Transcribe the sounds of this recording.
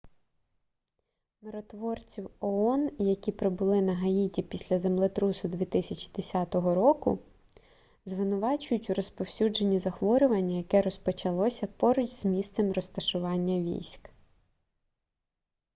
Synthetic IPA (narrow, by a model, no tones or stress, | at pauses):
meɾɔt̪ʋɔrt͡sʲiwɔɔnjɐkʲipɾɪbʊlˠɪnɐɦɐitʲipʲisʲlʲɐzemlˠɛt̪ɾusʊd̪ʋʲit̪ɪsʲɐt͡ʃi̥d̪esʲɑt̪ɔɦɔɾɔkʊ̰ | zʋɪnʊʋɑt͡ʃʊjʊtʲuɾɔspɔwsʲud͡ʒenʲːizɐxʋɔɾʲʊʋɐnʲːɐjɐkɛɾɔspɔt͡ʃɐlˠɔsʲɐpɔɾʊt͡ʃzmʲist̪sɛmɾɔst̪ɐʃʊʋɑnʲːɐʋʲḭjsʲk